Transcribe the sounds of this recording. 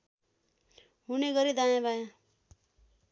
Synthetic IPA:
ɦuneɡʌɾid̪ajẽbajã

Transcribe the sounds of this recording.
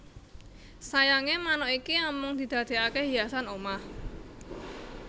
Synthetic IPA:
sajaŋemanɔʔikinɔmɔŋd̪̥i̤d̪̥ä̤d̪̥e̤akeɦijasanomah

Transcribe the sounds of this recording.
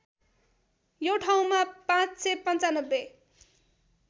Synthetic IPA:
joʈʰaw̃mapãt͡ssepʌnt͡sanʌbːe

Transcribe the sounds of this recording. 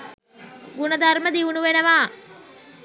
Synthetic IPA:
ɡunəd̪arməd̪iunuʋenəʋaː

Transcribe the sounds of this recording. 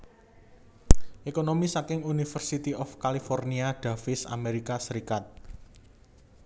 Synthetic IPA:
ʔekonomisakɪŋunifərsit̪iɔfkalifɔrniaɖ̪̥ä̤fɪsa̰meɾikasəɾikat̪̚

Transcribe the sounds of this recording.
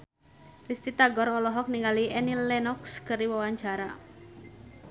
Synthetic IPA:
rist̪it̪aɡɔɾɔlɔɦɔk̚niŋɡaliɛnilːɛnɔkskəɾiwawaɲt͡ʃaɾa

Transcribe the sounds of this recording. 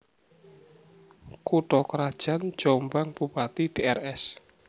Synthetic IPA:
kuɖɔkɾad̥ʒ̥a̤n̥d͡ʒ̥ɔmbaŋb̥upat̪iɖ̥eɛrɛs

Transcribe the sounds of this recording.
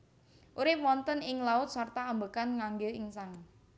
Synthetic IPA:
ʔuɾɪp̚wɔnt̪ənɪŋlaʊt̪̚sart̪aːmbəkanŋaŋɡɪlɪŋsaŋ

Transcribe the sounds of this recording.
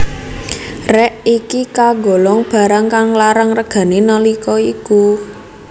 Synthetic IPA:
rɛʔikikaɡo̤lɔŋb̥a̤ɾaŋkaŋlaɾəŋrəɡ̥a̤nenɔlikɔiku

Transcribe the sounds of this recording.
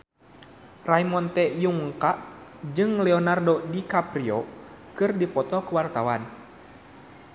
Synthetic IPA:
raimɔnt̪ɛjuŋkaʔd͡ʒɨŋlɛɔnardɔdikapɾiɔ | kɨrdipɔt̪ɔkəwart̪awan

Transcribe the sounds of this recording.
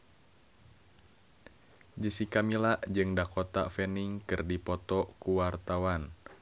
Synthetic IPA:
d͡ʒəsikamilaʔd͡ʒɨŋdakɔt̪a̰fɛniŋkɨrdipɔt̪ɔkuwart̪awan

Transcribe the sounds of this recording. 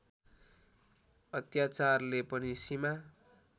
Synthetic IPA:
ʌt̪jat͡sarlepʌnisima

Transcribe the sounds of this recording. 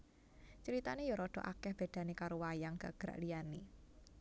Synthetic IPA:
t͡ʃəɾit̪anejoɾɔɖ̥ɔ̤ʔakɛhb̥e̤d̪̥a̤nekaɾowajaŋɡ̥a̤̰ɡ̥ɾa̰ʔlijani

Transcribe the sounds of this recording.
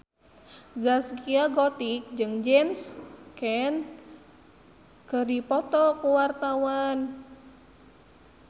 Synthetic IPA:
zaskiaɡɔt̪ik̚d͡ʒɨŋd͡ʒɛmskɛn | kɨrdipɔt̪ɔkuwart̪awan

